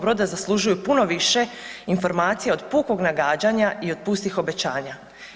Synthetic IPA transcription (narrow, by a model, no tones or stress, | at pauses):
bɾod̪azaslˠuʒujupuno̞ʋiʃe̞info̞ɾmaːt̪sijeod̪puko̞ɡnaɡaːd͡ʑaɲaio̞d̪̚pust̪ixo̞be̞t͡ɕaːɲa